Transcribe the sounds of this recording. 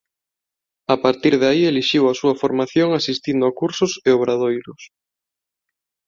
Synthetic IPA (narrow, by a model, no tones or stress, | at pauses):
apaɾt̪iɾðaieliʃiwasuɐfoɾmaθjoŋasist̪ind̪ʊakuɾsʊseoβɾaðojɾʊs